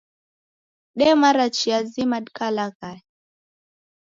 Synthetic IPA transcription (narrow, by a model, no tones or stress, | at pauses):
ɗɛmaɾat͡ʃiazimadkalaka